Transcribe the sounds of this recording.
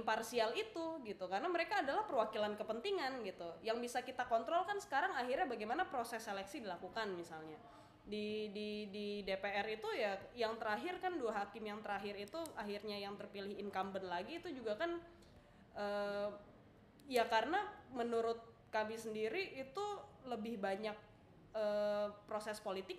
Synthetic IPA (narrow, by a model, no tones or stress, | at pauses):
mparsialit̪uɡit̪ukarənaməɾekaːdalahpərwakilankəpənt̪iŋanɡit̪ujaŋbisakit̪akɔnt̪ɾɔlkansə̥kaɾaŋaɦirɲabaɡajmanapɾosɛselɛksidilakukanmisalɲa | didididepeɛɾit̪ujajaŋt̪əɾaɦɪrkanduaɦakɪmjaŋt̪əɾaɦɪɾit̪uaɦirɲajaŋt̪ərpilɪhɪnkambənlaɡiːt̪ud͡ʒuɡakan | ʔəː | jakaɾənamənuɾʊt̪̚ | kamɪsəndiɾiːt̪uləbɪhbaɲak̚ | əpɾosɛspolit̪ɪk̚